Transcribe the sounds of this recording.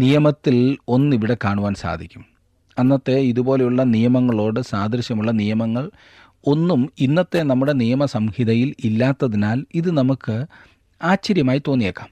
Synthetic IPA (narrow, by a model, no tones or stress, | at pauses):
nijɐmɐt̪ːilo̞nːiʋiɽe̞kaːɳuʋaːnsa̰ːd̪ʱikʲːum | ɐnːɐt̪ːe̞iðubo̞ːle̞juɭːɐnijɐmɐŋːɐɭo̞ːɽɨsaːd̪ʱɐɾɐɕjɐmuɭːɐnijɐmɐŋːɐɭ | o̞nːuminːɐt̪ːe̞nɐmːuɽe̞nijɐmɐsɐmhiðɐjililːaːt̪ːɐðinaːliðɨnɐmukːɨ | aːɕɐɾjɐmaːjit̪ːo̞ːnːijeːkːaːm